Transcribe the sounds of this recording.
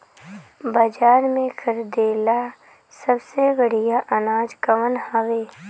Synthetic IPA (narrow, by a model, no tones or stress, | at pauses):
bɐd͡ʒaːɾmẽkʰəɾd̪eːla | səbsebəɽ̤ijaʔɐnaːd͡ʒkəʋənhaʋeː